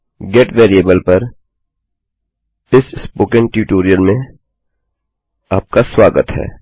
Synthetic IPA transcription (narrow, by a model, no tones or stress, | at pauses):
ɡeːʈʋeːɾieːbəlpɐɾ | ɪsspoːkɪ̃ŋʈjuʈoːɾijəlmẽ | aːp̚kaswaːɡət̪ɦɛ̰ː